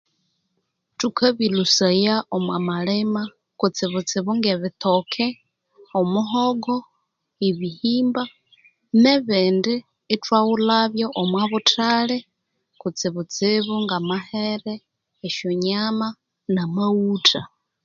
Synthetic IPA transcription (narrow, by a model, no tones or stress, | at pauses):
tukʰaβilusajaomwamalema | kut͡siβut͡sɪβuŋɡeβitokʰe | omuɦoɡo | iβihiːmba | neβeːndiː | twawulaβjoʔomwaβutʰale | kut͡siβut͡siβuŋɡamaheɾeː | ʃjoɲama | namautʰa